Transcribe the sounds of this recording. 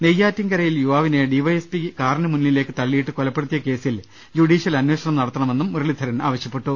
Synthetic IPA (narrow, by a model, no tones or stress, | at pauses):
nejːaːtːɐŋkɐɾɐjiljuʋaːʋineɖiʋɐjespikaːɾɐnɐmunːile̞ːkːɨt̪ɐɭːijiʈːɨkolɐpːeɽut̪ːijɐke̞ːsil | juɽiːɕɐlɐnwe̞ːɕɐɳɐmnɐɽɐt̪ːɐɳɐme̞nːumːuɾɐɭid̪ʱɐɾɐna̰ːʋɐɕjɐpːe̞ʈːu